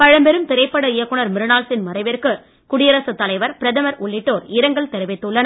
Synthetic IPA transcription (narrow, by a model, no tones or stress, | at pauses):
pɐɻɐmbɛɾɯmt̪ɪɾɐɪpːɐɽɐɪjɐkːɯɳɐɾmɪɾɯnaːlsɪnmɐɾɐɪʋɪɾkɯ | kʊɽɪjɐɾɐsɯt̪ːɐlɐɪʋɐɾpɪɾɐðɐmɐɾʔʊɭːɪʈːoːɾɪɾɐŋɡɐɭt̪ɛɾɯʋɪt̪ːɯɭːɐnɐ